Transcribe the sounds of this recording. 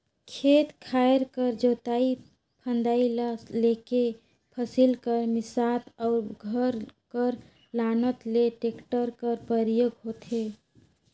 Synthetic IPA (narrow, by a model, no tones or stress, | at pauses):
kʰet̪kʰaeɾkəɾd͡ʒot̪ai | pʰə̃nd̪ailleke | pʰəsilkəɾmɪsat̪ɔʊɾɡʱəɾkəɾ | lanət̪leʈekʈəɾkəɾpəɾijoɡɦot̪ɦe